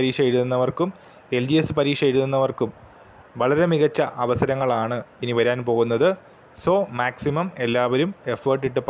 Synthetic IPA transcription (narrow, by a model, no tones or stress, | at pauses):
ɾiːʂɐjeɾuðunːɐʋɐrkum | e̞ld͡ʑiesɨpɐɾiːʂɐjeɾuðunːɐʋɐrkum | ʋɐɭɐɾe̞miɣɐt͡ɕːɐʔɐʋɐsɐɾɐŋːɐɭaːɳɨiniʋɐɾaːnpo̞ːɣunːɐðɨ | soːmaːksimɐme̞lːaːʋɐɾume̞fɐːrʈːiʈːɨp